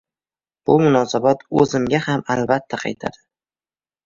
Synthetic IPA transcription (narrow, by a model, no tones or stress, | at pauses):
b̥ʊmʊnɒsabɒt̪ɵzɪmɡʲahamalbat̪ʰːaqʰɑ̰jt̪ʰa̰d̪ɪ